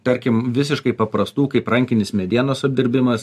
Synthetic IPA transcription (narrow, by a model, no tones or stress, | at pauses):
pʲɛɾʲkʲɪmʋʲɪsʲɪʃkɐɪpɐpɾɐst̪uːkɐɪpɾɐŋʲkʲɪnʲɪsmʲɛd̪ʲiɛnoːsɐb̚ʲd̪ʲɪɾʲbʲɪmɐs